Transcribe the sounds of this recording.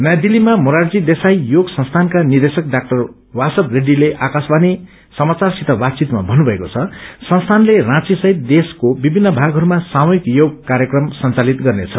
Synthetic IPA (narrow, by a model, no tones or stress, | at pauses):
nʌjd̪ilimamoɾard͡zid̪esajjoɡsʌ̃nst̪ʰankanird̪esʌk̚ɖak̚ʈʌr | wasʌbreɖileʔakasbani | sʌmat͡sarsit̪ʌbat̪̚t͡sit̪ma̰bʱʌnubʱʌekot͡sʰʌsʌnst̪ʰanlerãt͡sisʌɦit̪̚d̪eskobibʱinːʌbʱaɡɦʌɾumasamoikjoɡ̚kaɾjʌkrʌmsʌnt͡salit̪ɡʌrnet͡sʰʌ